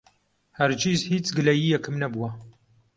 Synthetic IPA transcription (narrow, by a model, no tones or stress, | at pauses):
hɐɾd͡ʒiːzhiːt͡sɡɨlɐjiːjɛkɨmnɐbuwɐ